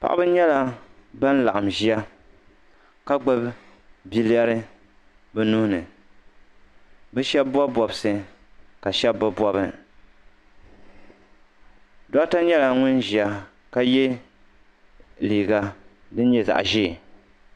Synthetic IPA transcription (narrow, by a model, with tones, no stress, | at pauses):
pa̰˨ʔa̰˦bɨ˦ɲɛ˦la˦ba˦n˦la̰˨ʔa˨mʒi˦a˦ | ka˦ɡ͡bɨ˦b | bi˦li˦a˦ɾɨ˦ | bɛ˦nu˦hnɨ˨ | bɛ˦ʃɛ˦bba˦bɔ˨bsɨ˨ | ka˨ʃɛ˦bba˦bɔ˦bɨ˦ | dɔ˦ta˦ɲɛ˦la˨ŋʊ˦nʒi˨a˦ | ka˦jɛ˦ | liː˨ɡa˨ | dɨ˦n˦ɲɛ˦za̰˨ʔʒi˦˨